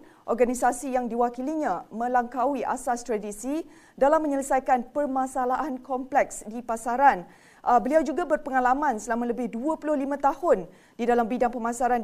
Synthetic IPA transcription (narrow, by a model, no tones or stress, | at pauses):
ʔɔrɡanisasijaŋdiwakiliɲãmə̃laŋkawiʔa̰sast̪ɾadisi | dalamːə̃ɲələsajkanpərmãsalaʔankɔmplɛksdipasaɾan | ʔbəliawd͡ʒuɡabərpəŋãlamãnsəlamãləbɪhduapulʊhlimãt̪ahʊn | didalambidaŋpəmãsaɾan